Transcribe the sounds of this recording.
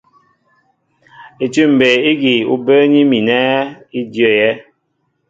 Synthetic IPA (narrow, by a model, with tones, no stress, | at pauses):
e˨tu˦m̩˨be˨i˦ɡi˨ṵ˦bə˦ɲi˦mi˨nɛ˦i˦djɔ˦˨jɛ˦